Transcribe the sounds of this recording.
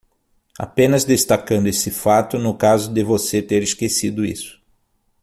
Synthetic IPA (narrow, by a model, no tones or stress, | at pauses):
a̰pẽnɐzd̪est̪akɐ̃nd̪ʊesɪfat̪ʊnʊkazʊd̪ɪvoset̪eɾɪskesid̪ʊḭsʊ̥